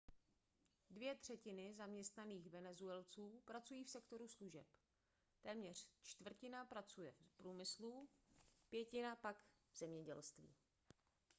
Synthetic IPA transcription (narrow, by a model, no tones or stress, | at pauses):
dvjɛt̪r̝̥ɛcɪnɪzamɲɛst̪naniːxvɛnɛzuɛlt͡suːpɾat͡sujiːfsɛkt̪o̞ɾusluʒɛ̰p | t̪ɛːmɲɛr̝̥t͡ʃt̪vr̩cɪnapɾat͡sujɛfpɾuːmɪslu | pjɛcɪnapak | vz̥ɛmɲɛɟɛlst̪vḭː